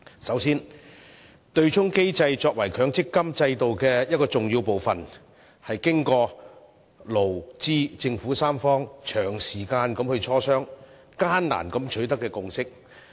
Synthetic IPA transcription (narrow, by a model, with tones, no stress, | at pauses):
sɐ˨˥wsiː˥n | t̪ɵ˧ɥt͡ʃʰʊ˥ŋke˥jt͡sɐ˧jt͡sɔː˧k̚wɐ˨˩jkʰœː˨˥ŋt͡sɪ˥kːɐ˥mt͡sɐ˧jt̪o˨wkɛː˧jɐ˥t̚kɔː˧t͡sʊ˨ŋjiː˧wpo˨wfɐ˨n | hɐ˨jkɪ˥ŋkɔː˧ | lo˨˩wt͡siː˥t͡sɪ˧ŋfuː˨˥saː˥mfɔː˥ŋt͡ʃʰœː˨˩ŋsiː˨˩kaː˧nkɐ˨˧˥mhɵ˧ɥt͡ʃʰɔː˥sœː˥ŋ | kaː˥nna̰ː˨˩nkɐ˨˥mt͡ʃʰɵ˨˥ɥt̪ɐ˥kːɛː˧kʊ˨ŋsɪ˥k̚